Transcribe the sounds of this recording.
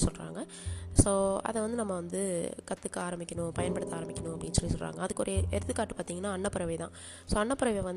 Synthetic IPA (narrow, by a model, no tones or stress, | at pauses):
sɔlɾa̰ːŋɡɐ | soːɐ̰ðɛʋɐnd̪ɯnɐmːɐʋɐnd̪ɯkɐt̪ːɯkːɯaːɾɐmbɪkʲːɐɳʊ̃pɐjɐnpɐɽɯt̪ːaːɾɐmbɪkʲːɐnʊ̃ɐpːɐɽɪnːsɔlːisɔlra̰ːŋɡɐɐðɯkːɯɔɾɐɛɾɯt̪ːɯkːaːʈːɯ̥paːɾt̪iːŋɡɐnːaːɐɳːɐpːɐɾɐʋɐt̪ã̰ː | soːɐɳːɐpːɐɾɐʋɛjʋɐn